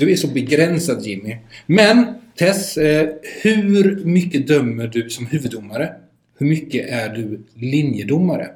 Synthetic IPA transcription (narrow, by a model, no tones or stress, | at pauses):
d̪ɵæʂɔbɛɡɾɛnsad̪jɪmɪmɛnt̪ʰɛs | hʉɾmʏkːəd̪œmːəɖɵsɔmhʉ̟ːvɵd̪ʊmːaɾə | hɵɾmʏkːəʔæɖɵlɪnjəd̪ʊmːaɾə̰